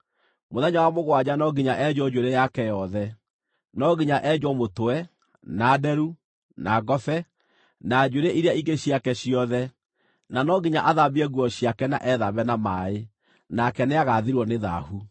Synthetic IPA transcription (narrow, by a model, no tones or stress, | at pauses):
moðɛɲawamoɣwad͡ʑanɔɡiɲaʔɛd͡ʒɔd͡ʒoɾɛjakɛjɔðɛ | nɔɣiɲaʔɛd͡ʒwɔmotoɛ | nadɛɾu | naɣɔfɛ | nad͡ʒoɾɛʔiɾeaiɡeɕjakɛɕiɔðɛ | nanɔɡiɲaʔaðaβiɛɣuɔɕiakɛna̰ʔɛðaβɛnamae | nakɛneaɣaðiɾwɔneða̰hu